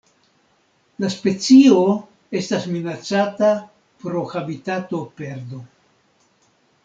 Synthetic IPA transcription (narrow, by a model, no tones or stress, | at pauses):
laspe̞t͡sio̞ | e̞stasminat͡sata | pɾo̞xabitato̞pe̞ɾdo̞